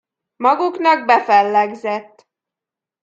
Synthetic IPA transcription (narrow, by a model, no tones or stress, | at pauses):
mɒɡuknɒɡ̚bɛfɛlːɛɡzɛt̪ː